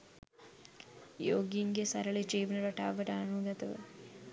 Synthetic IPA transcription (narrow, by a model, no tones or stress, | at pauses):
joːɡjiŋɡjɐsɐɾɐɭet͡ʃeːʋɐnɐɾɐʈaːʋɐɾaːnuːɡ̪ɐt̪ɐʋɐ̰